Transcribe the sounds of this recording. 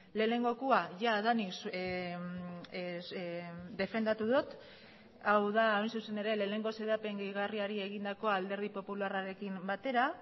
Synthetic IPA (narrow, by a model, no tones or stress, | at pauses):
le̞ːne̞ŋɡo̞kuaʝaðanis | d̪e̞fe̞nd̪at̪uðot̪ | awðaːjnsuse̞ne̞ɾe̞leːne̞ŋɡo̞se̞ðape̞ŋɡiɣariaɾie̞ɣind̪ako̞ald̪e̞ɾð̞ipo̞pularaɾe̞kimbat̪e̞ɾa